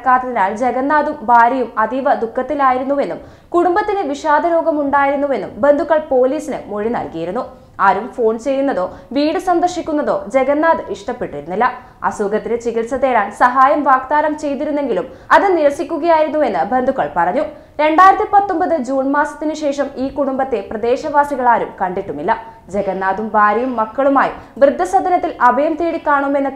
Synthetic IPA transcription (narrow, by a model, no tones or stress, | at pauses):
ɐkːaːt̪ːɐðinaːld͡ʑe̞ɡɐnːaːðumbaːɾɐjumɐd̪iʋɐd̪ukʰːɐt̪ːilaːjiɾunːuʋe̞nːum | kuɽumbɐt̪ːineʋiʂaːd̪ɐɾo̞ːɡɐmuɳɖaːjiɾunːuʋe̞nːṵmbe̞nd̪ʱukːɐɭpo̞ːliːsinɨmo̞ɻinɐ̰lkijiɾunːu | aːɾumfo̞ːɳt͡ɕe̞jːunːɐðo̞ːʋiːɽɨsɐnd̪ɐrʂikʲːunːɐðo̞ːd͡ʑe̞ɣɐnːaːðɨʔiʂʈɐpːe̞ʈːiɾunːilːɐ | ɐ̰suɡɐt̪ːinet͡ɕiɣiʈsɐðe̞ːɭaːnsɐɦaːjɐmʋaːk̚t̪aːɾɐmt͡ɕe̞jt̪̬iɾunːe̞ŋɡilum | ɐðɨniɾɐsikʲːuɣɐjaːjiɾunːue̞nːɨbe̞nd̪ʱuɣɐɭpɐrɐɲːu | ɾe̞ɳɖaːjiɾɐt̪ːipɐt̪ːo̞mbɐðɨd͡ʑuːnmaːsɐ̥t̪ːinɨɕe̞ːʂɐmiːkuɽumbɐt̪ːe̞prɐd̪e̞ːɕɐʋaːsiɣɐɭaːɾumkɐɳɖiʈːumilːɐ | d͡ʑe̞ɡɐnːaːd̪umbaːɾɐjumːɐkːɐɭumaːjḭ | ʋrɨd̪ʱːɐsɐd̪ʱɐnɐt̪ːilɐbʱɐjɐmt̪eːɽikːaːɳoːme̞nːɨ